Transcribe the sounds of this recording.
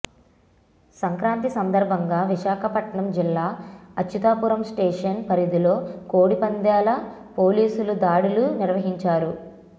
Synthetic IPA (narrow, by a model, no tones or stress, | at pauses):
sɐŋkɾaːnt̪isɐnd̪ɐɾbʱɐŋɡaːʋiʃaːkʰɐpɐʈɳɐmd͡ʒilːaːɐt͡ʃʰːut̪aːpuɾɐmsʈeːʂɐnpɐɾid̪ilo̞ːkoːɽipɐnd̪jaːlɐpo̞ːliːsulud̪aːɽuluniɾʋɐɦiɲt͡ʃaːɾu